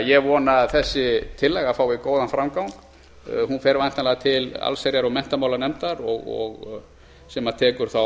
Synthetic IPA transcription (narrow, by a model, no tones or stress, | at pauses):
jɛvɔnaθɛsːɪt̪ʰɪlːɛɣafaːwikoːwðanfɾamkawn | hunfɛɾvajnt̪anlɛɣat̪ʰɪla̰lseɾjaɾɔɣmɛn̥t̪amawlaɾnɛmt̪aɾɔɣɔ̰ɣ | sɛmat̪ʰɛːkʏɾ̥θa